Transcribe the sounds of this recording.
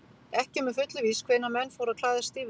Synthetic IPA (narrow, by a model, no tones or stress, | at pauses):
ɛhcɪmɛfʏt̪lʏviskʰv̥eːnːamɛnːfowɾakʰl̥aːðɪ̥st̪iːv